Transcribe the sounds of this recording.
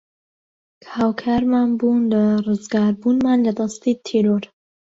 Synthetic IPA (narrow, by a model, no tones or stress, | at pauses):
kʰhaːwkʰaːɾmaːnbuːnlarɨzɡaːɾbuːnmaːnlɐd̪ɑst̪it̪ʰiːɾoɾ